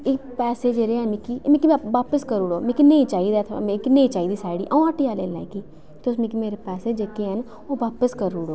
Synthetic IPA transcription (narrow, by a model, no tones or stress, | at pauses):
ɪkpɛːseːd͡ʒeɾeɦənɪkiːmẽkimʋaːpəskəɾʊɽoːmẽkinẽĩt͡ʃaːid̪aːt̪ʰmẽkinẽĩt͡ʃaːiːd̪iːsaːɽiːʔaũaːʈiːaːleːla̰ːkiː | t̪eʊsmẽkimeːɾepɛːseːd͡ʒeːkeɦən | oːʋaːpəskəɾuɽoː